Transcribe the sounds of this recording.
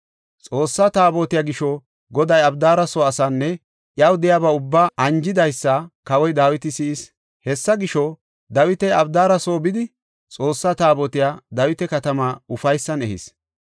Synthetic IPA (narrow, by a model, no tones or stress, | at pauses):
t͡sʼo̞ːsːat̪aːboːt̪ɪjaːɡɪʃɔ | ɡɔd̪ɐjɐbd̪aːɾɐsoːɐsɐnːɛ | ʔjɐwd̪ɛjabɐʊbːaːʔɐnd͡ʒɪd̪ɐjsːɐkɐwɔjd̪aːwɪt̪ɪsɪɪs | hɛsːɐɡɪʃɔ | d̪ɐwɪt̪ɛjɐbd̪aːɾɐso̞ːbɪd̪ɪ | t͡sʼo̞ːsːat̪aːbɔːt̪ɪjaːd̪ɐwɪt̪ɛkɐt̪ɐmaːʊfɐjsːɐnɛ̰hɪ̰s